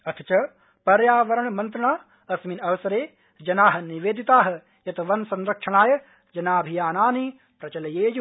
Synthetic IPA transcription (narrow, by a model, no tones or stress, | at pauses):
ɐt̪ʰɐ̥t͡ʃɐ | pɐɾjaːʋɐɾɐɳmɐnt̪ɾɐɳaː | ɐsminɐʋɐsɐɾeː | d͡ʒɐnaːɦɐ̆niʋeːd̪it̪aːɦɐ̆ | jɐt̪ɐʋɐnsɐ̃nɾɐkʂɐɳaːjɐ | d͡ʒɐnaːbʱijaːnaːni | pɾɐt͡ʃɐlɐjeːd͡ʒ